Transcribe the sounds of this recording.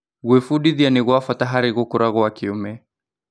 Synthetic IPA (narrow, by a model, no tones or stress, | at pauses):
ɣwɛfuɗiðianiɣwafataɦaɾiɣukuɾʔaɣɔakiumɛ